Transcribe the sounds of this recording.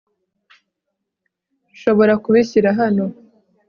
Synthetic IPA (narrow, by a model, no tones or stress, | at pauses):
ʃo̞βo̞ɾakuβiɕiɾaɦano̞